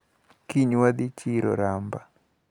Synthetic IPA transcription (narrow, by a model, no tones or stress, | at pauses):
kiɲwad̪ɪt͡ʃiɾo̰ɾamba